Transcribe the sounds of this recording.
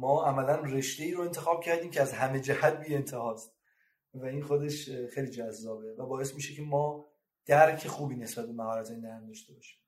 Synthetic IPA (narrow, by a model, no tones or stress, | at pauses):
mɒːʔæmælænre̞ʃd̪e̞iːɾoe̞nt̪ʰexɒːb̥̚cʰæɾd̪iːmcʰeæzɦæme̞d͡ʒæhæt̪̚biːe̞nt̪ʰehɒːst̪ | væinxod̪e̞ʃxejliːd͡ʒæzːɒːbe̞væbɒːesmiːʃecʰe̞mɒː | d̪̥æɾcʰe̞xuːbiːne̞sbæt̪̚be̞mæhɒːɾæt̪ʰenːæɾmd̪ɒʃt̪e̞bɒːʃi̥m